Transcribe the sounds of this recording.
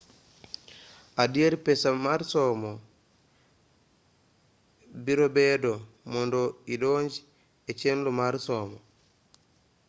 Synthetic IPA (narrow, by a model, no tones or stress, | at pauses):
ʔadijeɾpɛsamaɾsɔmɔ | biɾɔbɛdɔ | mɔndɔiɗɔɲd͡ʒi | ɛt͡ʃenlumaɾsɔmɔ